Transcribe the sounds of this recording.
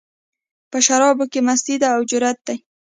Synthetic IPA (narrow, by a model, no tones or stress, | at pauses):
pəʃaɾɑbokemast̪id̪aːwd͡ʒʊɾat̪̚d̪̥aj